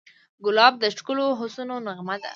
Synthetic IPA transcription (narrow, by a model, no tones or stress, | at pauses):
ɡʊlɑb̚d̪əʃkʊloɦʊsunonaɣmad̪a̰